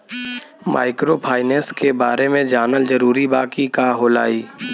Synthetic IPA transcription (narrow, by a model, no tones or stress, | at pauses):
ma̰ːɪkɾopʰaːɪneskebaːɾemẽd͡ʒaːnəld͡ʒəɾuːɾibaːkikaːɦoːla̰ːiː